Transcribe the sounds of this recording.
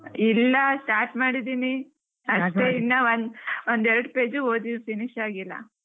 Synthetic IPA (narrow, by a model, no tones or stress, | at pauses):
ilːɐsʈaːɾʈmaːɽid̪iːni | ɐteinːɐʋond̪ond̪ɛɾɐɽpe̞ːd͡ʒuoːd̪ipiniʃaːɡilːɐ̰